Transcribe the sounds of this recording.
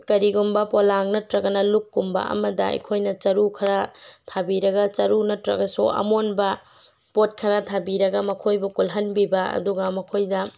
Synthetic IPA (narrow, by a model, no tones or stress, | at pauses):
tkɐɾiɡumbɐpolaŋnɐtɾɐɡɐnɐlukːumbɐ̰ʔɐ̰mɐdɐ̰ɐ̰jkʰojnɐt͡ʃɐɾukʰɐɾatʰabiɾɐɡɐt͡ʃɐɾunɐtɾɐ̰ɡɐsuʔɐ̰monbɐ | pot̚kʰɐɾatʰabiɾɐɡɐmɐkʰojbukulɦɐnbibɐɐ̰duɡɐmɐkʰojdɐ